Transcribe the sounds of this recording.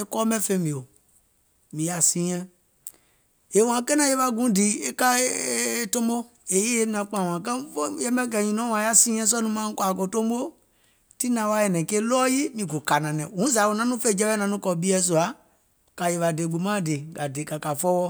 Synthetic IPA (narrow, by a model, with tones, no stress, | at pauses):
e˦kɔ˦mɛ̃˦fe˧˦mĩ˨o˨ | mĩ˨ja˨sĩ˦ɛ̃˧ | e˨w̃ã˨ke˦nã˦je˦ɓa˧ɡũ˨˦diː˨˦e˦ka˦˨ | tõ˦mbo˦ | e˨je˦e˦nã˨˧k͡pã˨w̃ã˨kɛ̃˦fo˦jɛ˦mɛ̃˦kɛ˨ɲĩ˨nɔ̃˨˦wã˨˦a˦sĩː˦ɛ̃˦s̬ɔ˦nũ˧˦mãː˦kwa˨ko˧tõ˦ɓo˦ | ti˦nã˨˦wa˦ɛ˨nɛ̃˨ke˦lɔː˦ji˦mĩ˧ɡo˨ka˨nã˨nɛ̃˨wũ˨˦za˨˦wo˧˨nã˨˦nũ˦fe˦d͡ʒɛ˧˦ɛ˦nã˧˦nũ˦kɔ˧˨ɓi˦ɛ˧˦s̬u˨a˨˦ | ka˨je˧ɓa˨de˨ɡ͡bu˨˦mã˦˨de˨ɡa˨de˨ka˨ka˨fɔ˦wɔ˦˧